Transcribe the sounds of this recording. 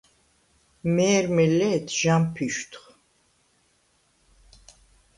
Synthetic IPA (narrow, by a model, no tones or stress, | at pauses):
mɛːɾmɛlɛːt̪ʰʒampʰiʃt̪ʰχ